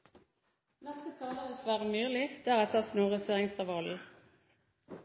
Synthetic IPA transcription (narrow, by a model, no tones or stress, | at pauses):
nɛst̪ət̪ʰɑːləəsʋæːʁəmyːlɪd̪̥æːʁɛt̪ʰəsnuːʁəseːʁɪŋst̪ɑʋɑl̩